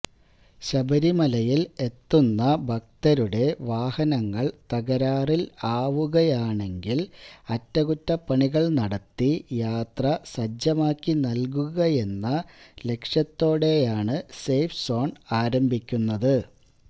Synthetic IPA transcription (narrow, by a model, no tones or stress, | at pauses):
ɕɐbɐɾimɐlɐjile̞t̪ːunːɐbʱɐk̚t̪ɐɾuɽe̞ʋaːhɐnɐŋːɐɭt̪ɐɣɐɾaːrilaːʋuɣɐjaːɳe̞ŋɡilɐtːɐɣutːɐpːɐɳiɣɐɭnɐɽɐt̪ːijaːt̪rɐsɐd͡ʑɐmaːkːinɐlk̬uɣɐje̞nːɐle̞kʂjɐt̪ːo̞ːɽe̞jaːɳɨsejfso̞ːɳaːɾɐmbʱikʲːunːɐðɨ